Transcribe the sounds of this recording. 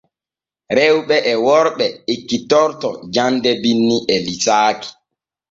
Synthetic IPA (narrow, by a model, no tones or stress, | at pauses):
ɾɛwɓɛʔɛwɔɾɓɛikːitɔɾtɔd͡ʒandɛbinːiʔɛlitaːki̥